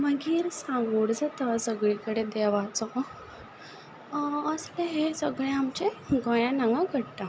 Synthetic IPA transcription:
məɡiːɾsãŋɡuɽd͡zat̪asəɡɭikəɽed̪ɛʋat͡sɔ | əsleɦesəɡɭẽamt͡ɕeɡɔ̃jãnaŋɡaɡʱəɽʈ̪a

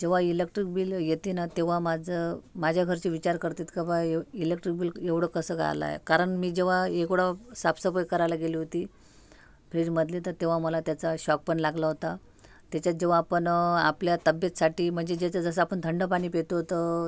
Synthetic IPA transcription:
d͡ʑeʋ̤ailek̚ʈɾik̚biːljet̪inat̪eʋ̤amad͡zəmad͡ʑʱjaɡʱəɾt͡ɕiʋit͡ɕaɾkəɾt̪iːt̪kəbaeilek̚ʈɾik̚biːleʋɽ̤əkəsəːɡʱa̰la̰j̰kaɾəɳmiːd͡ʑeʋ̤aekɽasapsəpəjkəɾajlaɡeliːɦot̪iː | pɾeɖməd̪ʱlet̪əɾt̪eʋ̤aməlat̪jat͡saɕɔk̚pəɳlaɡlaɦot̪a | t̪jat͡ɕjat͡s̚d͡ʑeʋ̤aːpəna̰pljat̪əbjət̪saʈiːm̤əɳd͡zed͡ʑet͡səd͡zəs̬əapəɳt̪ʰəɳɖəpaɽ̃iːpet̪oɦot̪ə

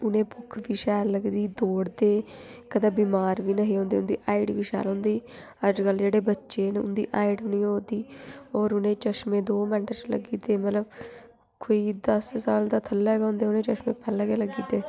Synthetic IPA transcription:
ʊnẽːbʊkʰʋiːʃɛːlləɡd̪iːd̪oːɽd̪eːkəd̪aːbiːmaːɾʋiːnəɦĩːõːnd̪eːʊnd̪iːʔaːɪɖʋiːʃɛ̰ːlõːnd̪iː | əd͡ʒkəld͡ʒeːɽeːbətːʃeːnːʊ̰nd̪ḭːʔaːɪɖnĩːoːd̪iːɔːɾʊnẽːt͡ʃəʃmẽːd̪oːmɛ̃ːɳʈəɾt͡ʃlə̰ɡiːt̪eːmət̪ləb | koːiːd̪əssaːld̪aːt̪ʰəlːɛɡaʊ̃ːnd̪eːʊnẽːt͡ʃəʃmẽːpʰɛːlkeːləɡiːt̪eː

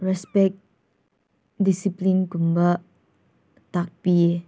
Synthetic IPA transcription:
ɹɛspɛk̚ | disiplĩnɡũmbə | tak̚pie

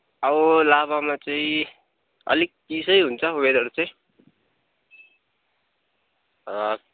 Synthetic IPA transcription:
ʌbʌlaβamat͡saĩ | ʌ̰lik̚k̪isʌjɦunt͡sʰʌuweɾʌɾut͡sʌĩ | ʌ

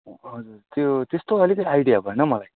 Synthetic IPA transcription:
ɦʌd͡zurt̪jot̪est̪oʌlikʌiajɽijabʌjnʌmʌlaj

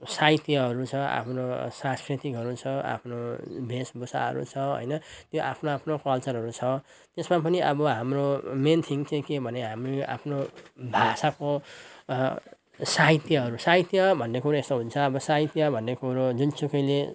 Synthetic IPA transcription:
sait̪jʌɦʌɾut͡sʰʌa̰pʰnosãskrit̪ikɦʌɾut͡sʰʌa̰pʰnobʱesbosa̰ɦʌ̰ɾṵt͡sʰʌɦʌ̰jnʌt̪joʔa̰pʰnoapʰnokʌlt͡sʌɾɦʌɾut͡sʰʌ | t̪esmapʌniʔʌ̰bʌɦamroment̪ʰiŋt͡sʌ̃ĩkebʱʌneɦamria̰pʰnobʱasako | sait̪jʌɦʌɾusait̪jʌbʱʌnːekuɾoest̪oɦunt͡sʰʌːbʌsait̪jʌbʱʌnːekuɾod͡zunt͡sukʌjle

